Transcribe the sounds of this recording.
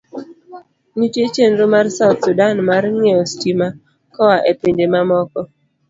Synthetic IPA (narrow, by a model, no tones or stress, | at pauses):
nit͡ʃet͡ʃenɾomarsaʊt̪sudanmarŋeɔstima | kɔwaʔependemamɔkɔ